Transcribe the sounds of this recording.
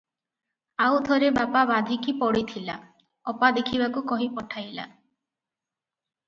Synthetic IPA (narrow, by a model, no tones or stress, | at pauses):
awt̪ʰɔɾebapabad̪ʱikipɔɽit̪ʰila | ɔpad̪ekʰibakukɔɦipɔʈʰajla̰